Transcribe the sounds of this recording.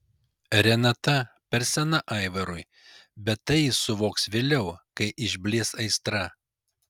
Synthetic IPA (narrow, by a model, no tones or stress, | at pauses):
ɾʲɛnɐt̪ɐ | pʲɛɾsʲɛnɐʔɐˑɪʋɐɾʊɪ | bʲɛt̪ːɐɪsʊʋoːksʋʲeːlʲɛʊkɐɪʔɪʒʲbʲlʲiɛsɐɪst̪ɾɐ